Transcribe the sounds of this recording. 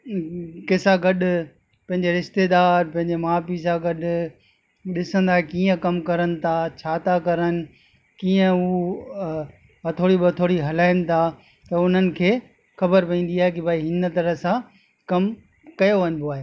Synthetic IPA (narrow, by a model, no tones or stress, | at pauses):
kɪsaɡɐɗʊ | pɐ̃ɦɪ̃ɲ̆d͡ʑeɾɪʃt̪eːd̪aːɾpɐ̃ɦɪ̃ɲ̆d͡ʑemaːpis̬ãɡɐɗʊ̆ | ɗɪsə̃nd̪aːɦekiːə̃kɐmkɐɾənɪ̆t̪ʰat͡ɕʰaːt̪ʰakɐɾənɪ̆ | kiːə̃u | ɐt̪ʰoːɽibɐt̪ʰoːɽiɦɐlaːɪnɪ̆t̪ʰaː | t̪ɐʊn̤ənɪ̆kʰeː | xɐbəɾpɐĩːn̆d̪iaːɦekibʱaːiɦɪnə̆t̪ɐɾəsã | kɐm | kɐjoʋɐɲɪ̃b̪oaːɦeː